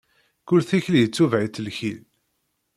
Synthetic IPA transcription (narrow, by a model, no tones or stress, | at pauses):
kʊlθiçljət͡sːuvʕit̪ːəlçil